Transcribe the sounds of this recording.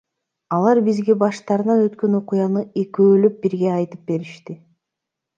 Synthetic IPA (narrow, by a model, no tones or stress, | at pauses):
ɑlˠɑɾbizɡe̞bɑʃt̪ɑɾnɑnø̞t̪kø̞no̞qʊjɑnɯe̞køːløp̚biɾɡeɑjt̪ɯp̚be̞ɾiʃt̪i